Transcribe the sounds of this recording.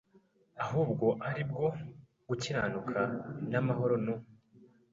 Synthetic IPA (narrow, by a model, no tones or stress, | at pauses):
aɦuːbɡo̞ʔaɾib̚ɡo̞ | ɡ̥uciɾaːnukʰanamaɦo̞ɾo̞no